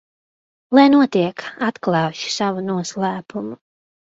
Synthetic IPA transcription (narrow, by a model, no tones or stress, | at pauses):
lˠajnuɔt̪iɛkat̪klˠɑːʃi̥savunuɔslˠæːpʰumu